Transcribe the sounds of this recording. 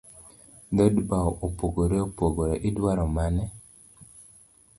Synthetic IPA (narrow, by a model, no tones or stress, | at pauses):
d̪odbaɔʔopoɡoɾeopoɡoɾeʔɪdwaɾɔmanɛ